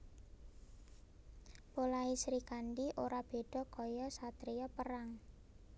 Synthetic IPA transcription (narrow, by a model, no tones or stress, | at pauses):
polaisɾikanɖiʔoɾab̥e̤ɖ̥ɔ̤kɔjɔsat̪ɾijɔpəɾaŋ